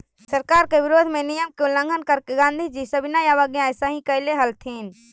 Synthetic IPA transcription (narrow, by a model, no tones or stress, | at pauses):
sɐɾkaːɾkeʋɪɾoːd̪ʱmẽnijəmkõlɐ̃ŋɡʱənkɐɾkɡãːnd̪ʱid͡ʑiːsɐbɪnajaːʋaɡjãɪsãːɦĩkɐɪleɦɐlt̪ʰeːnɪ̆